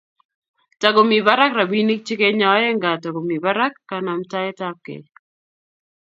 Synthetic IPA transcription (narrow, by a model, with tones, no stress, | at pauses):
ta˨ɡo˨mi˨ba˦ɾa˦kra˨bi˦ni˦k̚t͡ʃɪ˦ke˦ɲa˨˦ɛ˦ŋɡa˨ta˨ɡo˨mi˨ba˦ɾa˦kːa˨na˨mta˦ɛ˦ta˦p̚kḛ˨